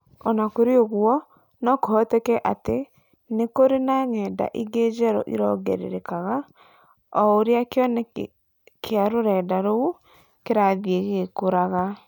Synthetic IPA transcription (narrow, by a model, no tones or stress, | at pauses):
ɔnakoɾeoɣwɔ | nɔkohɔtɛkɛʔate | nekoɾenaŋɛːda̰ʔiɡed͡ʒɛɾɔ̰ʔiɾɔɣɛ̰ɾḛɾekaɣa | ɔoɾeakeɔnɛ | kʰeaɾoɾɛːdaɾoo | keɾaðjeɣekoɾaɣa